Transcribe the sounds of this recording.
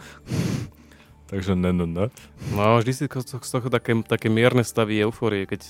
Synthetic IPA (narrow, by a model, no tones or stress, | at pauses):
t̪aɡʒɛnɛnɛnɛnaʒd̪isikɔɔst̪ɔxt̪akɛt̪akɛːmɪɛɾnɛst̪aʋiɛʊfɔːɾiɛkɛc